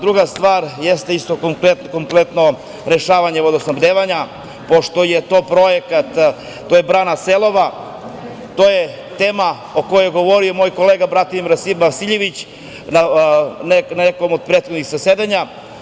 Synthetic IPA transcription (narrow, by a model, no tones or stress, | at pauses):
d̪ɾuɡast̪ʋaːɾjest̪eist̪okoŋket̪koŋplet̪no̞ | ɾeʃaːʋaɲeod̪osnobd̪eʋaɲa | poʃt̪ojet̪o̞ːpɾo̞jekat̪ː | ojebɾanaselˠo̞ʋa | t̪oːje | t̪eːma | okojeɡo̞ʋo̞ɾijomo̞ːjko̞leːɡabɾat̪inɾasimasiʎeʋit͡ɕ | naneeko̞mod̪̚pɾeːt̪xod̪nixsased̪aɲa